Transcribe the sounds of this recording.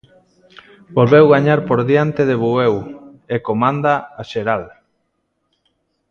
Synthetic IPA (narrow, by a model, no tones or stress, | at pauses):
bolβewɣaɲaɾpoɾðjant̪eðeβuewekomãnd̪aaʃeɾal